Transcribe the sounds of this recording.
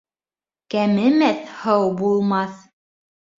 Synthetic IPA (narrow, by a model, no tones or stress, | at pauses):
kæmɘ̆mæθhɤwbulˠmɑθ